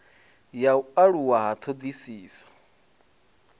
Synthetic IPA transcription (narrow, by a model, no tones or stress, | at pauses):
jaaɺuwaɦat̪ʰod̪isiːsḁ